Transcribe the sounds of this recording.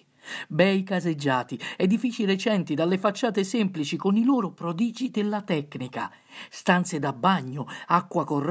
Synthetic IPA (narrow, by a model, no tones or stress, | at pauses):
bɛjkazed͡ʒːaːt̪iɛd̪ifiːt͡ʃiɾɛt͡ʃɛnt̪id̪alːefat͡ʃːaːt̪ɪsɛmplit͡ʃikʊnilɔːɾʊpɾɔd̪iːd͡ʒid̪ɪlːat̪ɛkːnika̰ | st̪ant̪sed̪abːaɲːʊakːwakɔr